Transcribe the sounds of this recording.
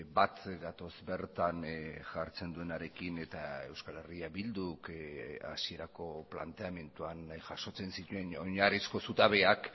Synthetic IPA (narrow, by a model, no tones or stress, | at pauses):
bat̪ɡat̪o̞zbe̞ɾt̪anʝaɾt͡se̞nd̪ue̞naɾe̞kine̞t̪ae̞wskale̞riaβild̪uka̰sie̞ɾako̞pla̰nt̪e̞ame̞nt̪uanʝaʃo̞t͡se̞nsit̪ue̞noɲarisko̞sut̪aβe̞ak